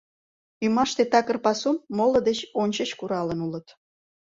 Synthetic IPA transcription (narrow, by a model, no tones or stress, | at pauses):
ymɑʃt̪et̪ɑkərpɑsumːoləd̪et͡ɕonʲt͡ɕət͡ɕkuɾɑlənulət̪